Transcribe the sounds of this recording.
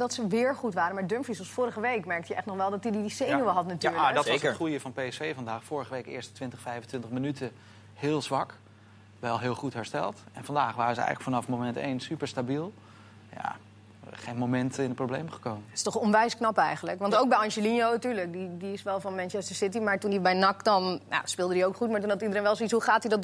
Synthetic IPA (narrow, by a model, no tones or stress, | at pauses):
dɔtsəʋɪːɹχutʋaːɾənmaːɹdømfisɔsfʊːɾəχəʋejkmɛɹk̚tjəɛχtnɔχʋɛlˠdɔtididisejnoəɦɑtnatyːɔtχrujəfɑnpejsfejvɑndaːχfʊːɹəχəʋejkɪ̰ːɹstə̥tʋɪntəχfɛjfvən̩tʋɪntəχmənytʰə | hɪːlˠzʋɑk | ʋɛlˠɦɪːlˠχutɦɛɹstɛ̰lˠtɛnfɑndaːχʋaːɾəzəɛ̰jɣələkfɑnɑfmomɛntḛːnsypəɹstabilˠ | ja̰ | χejnmomɛntəɪnəproblejmχə̥kowməɪ̥stɔχɔnʋɛjsknɑpɛjχənləkʋɑntowkbɛjɑnʒəlinowntyːɹlək̚didiɪsʋɛlˠfɑnmɛnt͡ʃɛstəɹsɪtimaːɹtundibɛjnɑkdɑnna̰spɪːlˠdədiowkχutmaːɹtunɑtidəɾejnʋɛlˠsoitsɦuχaːtdidɔt